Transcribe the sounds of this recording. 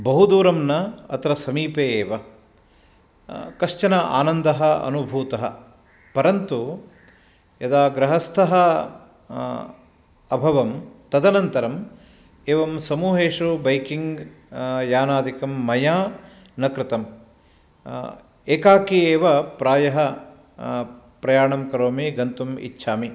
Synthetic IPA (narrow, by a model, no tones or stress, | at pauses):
bɐɦud̪uːɾɐmnɐɐt̪ɾɐsɐmiːpeːeːʋɐ | kɐʂt͡ʃɐnɐʔa̰ːnɐnd̪ɐɦɐɐ̰nubʱuːt̪ɐɦɐ̰ | pɐɾɐnt̪u | jɐd̪aːɡɾɐɦɐst̪ʰɐɦɐ | ɐbʱɐʋɐmt̪ɐd̪ɐnɐnt̪ɐɾɐm | eːʋɐmsɐmuːɦeːʂubɐjkiŋɡ | jaːnaːd̪ʱikɐmːɐjaː | nɐkɾɪt̪ɐm | eːkaːkieːʋɐpɾaːjɐɦɐ | pɾɐjaːɳɐmkɐɾoːmiɡɐnt̪umḭtːʃʰaːmi